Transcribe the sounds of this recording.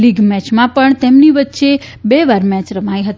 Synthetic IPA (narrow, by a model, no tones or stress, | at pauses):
liɡmɛt͡ʃmãpəɳt̪emniʋətːʃe | beʋaɾmɛt͡ʃɾəmajɦət̪